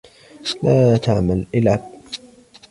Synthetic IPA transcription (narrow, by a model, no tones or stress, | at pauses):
laːt̪ʰaʕmalʔɪlʕab̚